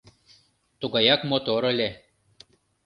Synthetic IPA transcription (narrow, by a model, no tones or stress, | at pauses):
t̪uɡajakmot̪oɾəlʲe